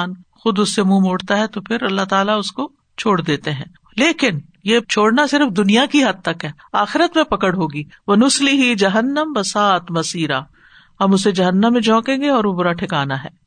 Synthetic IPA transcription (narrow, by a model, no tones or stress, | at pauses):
nxʊd̪ʊsːemũːmʊːɽt̪aɦɛt̪opʰɪɾɐlːaɦt̪aːlaʊsko | t͡ʃʰoːɽd̪eːt̪eɦɛ̰̃ː | leːkɪn | jeːt͡ʃʰoːɽnasɪɾəfd̪ʊnijakiɦɐd̪̚t̪ɐkɦɛː | aːxɪɾət̪mẽpɐkəɽɦoːɡiː | ʋɐnʊslɪɦid͡ʒɐɦənːəmbɐsaːt̪mɐsiːɾaː | hɐmʊsed͡ʒɐɦənːəmːẽd͡ʒɔ̃ːkẽːŋɡeɔːɾʋobʊɾaʈʰɪkaːnaɦɛ̰ː